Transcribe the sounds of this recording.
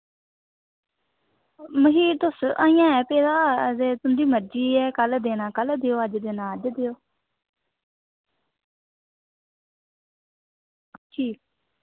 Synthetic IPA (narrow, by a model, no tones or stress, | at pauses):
məɦiːɾd̪ʊsaːijãːɛːpeːd̪aːzeːt̪ʊnd̪iːməɾd͡ʒiːɛːkəld̪eːnãːkəld̪eːoːəd͡ʒd̪eːnãːd͡ʒd̪ejoː | əʃiː